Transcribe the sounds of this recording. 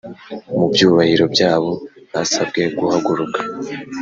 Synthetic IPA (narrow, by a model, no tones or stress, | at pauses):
mubjuːβahiɾo̞bjaːβo̞hasab̚ɡe̞ɡuhaɡuɾukḁ